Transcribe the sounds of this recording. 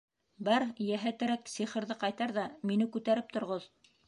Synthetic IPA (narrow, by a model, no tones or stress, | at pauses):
bɑɾjæɦæt̪ɘ̆ɾæksiχɤ̆ɾðɤqɑjt̪ɑɾðɑminɘkʉt̪æɾɘp̚t̪ŏɾʁoð